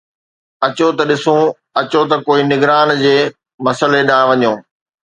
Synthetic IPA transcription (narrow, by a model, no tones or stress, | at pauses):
ɐt͡ɕot̪ɐɗɪsũ | ɐt͡ɕot̪ɐkoːinɪɡɾaːnd͡ʑeː | mɐsəleɗãːʋɐɲoː